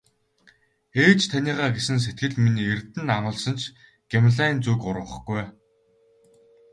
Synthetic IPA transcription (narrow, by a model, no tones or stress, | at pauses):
eːt͡ɕt̪ʰanʲiːʁaːɡesɘ̆ns̬et̪̚ɡɘ̆ɮminiːert̪ɘ̆namʊːɮsɞ̆nt͡ɕʰ | ɡ̥emɮaːint͡suːkʊɾə̆χɡuj